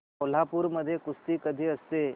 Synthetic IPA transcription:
ol̤apuɾməd̪ʱːjekʊst̪ikəd̪ʱiəse

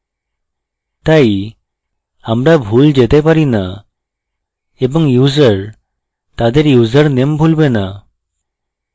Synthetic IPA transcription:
t̪ai | hamɽabʱuːld͡ʑet̪ɛpaɾina | ebəŋjud͡zəɾ | t̪ad̪eɾjud͡zəɾnembʱulbẽna

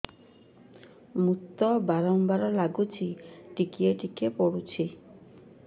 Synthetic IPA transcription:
mut̪ːɔbaɾɔmbaɾɔlaɡut͡ʃʰiʈikieʈikepoɽut͡ɕʰi

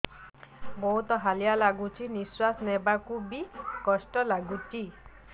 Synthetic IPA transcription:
bɔɦut̪ɔɦalijalaɡut͡ʃʰiniswasnɛbakubikɔsʈɔlaɡut͡ʃi

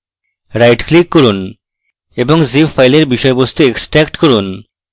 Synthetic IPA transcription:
ɾajʈklikːɔɾun | eboŋzipfajleɾbiʃɔebost̪ueksʈɾɛkʈkɔɾun

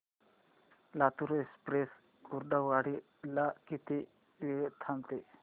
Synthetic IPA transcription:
lat̪uɾoespɾes | kuɾɖaaɽi | lakit̪i | ʋet̪ʰamt̪e

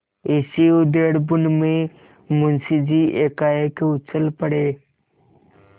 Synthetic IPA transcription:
esiʊd̪eːɽbʊnmẽ | mʊnsid͡ʑiːʔeːkaːekeʊt͡ɕəlpəɽeː

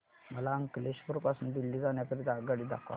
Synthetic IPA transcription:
məlaəŋkleɕbuɾpasuːnd̪ilːid͡zaɳjakəɾid̪aɡəɽiːd̪a̰kʰa̰

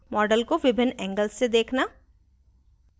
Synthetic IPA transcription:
mɔːɖəlkoʋɪbʱɪnɛ̃ːŋɡəlssed̪eːkʰna

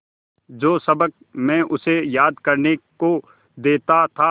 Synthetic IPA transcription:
d͡ʒoːsɐbək̚ | mɛ̃ʔʊsejaːd̪kɐɾneko | d̪eːt̪at̪ʰa

